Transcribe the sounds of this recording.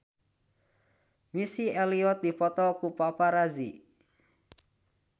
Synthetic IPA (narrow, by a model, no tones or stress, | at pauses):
misieliɔt̪̚d̪ipɔt̪ɔkupapaɾazi